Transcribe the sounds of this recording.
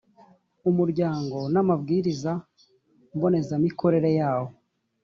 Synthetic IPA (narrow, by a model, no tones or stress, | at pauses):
umuɾɟaːŋɡo̞namabɡiːɾiza | mbo̞ne̞zamikʰo̞ɾe̞ɾe̞jaːwo̞